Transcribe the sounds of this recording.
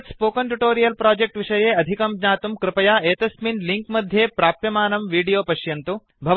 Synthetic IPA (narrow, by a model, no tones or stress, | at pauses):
ʈspoːkɐnʈuʈoːɾijɐlpɾaːd͡ʒek̚ʈʋiʂɐjeːɐd̪ʱikɐmɲaːt̪umkɾɪpɐjaːeːt̪ɐsminliŋkmɐd̪ʱjeːpɾaːpjɐmaːnɐmʋiːɖijoːpɐʃjɐnt̪u | bʱɐʋ